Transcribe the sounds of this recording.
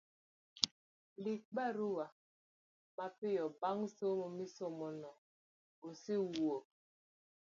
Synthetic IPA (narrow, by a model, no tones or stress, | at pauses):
lik͡paɾuwa | mapijɔbaŋsomɔmisomɔnɔ | osiwuo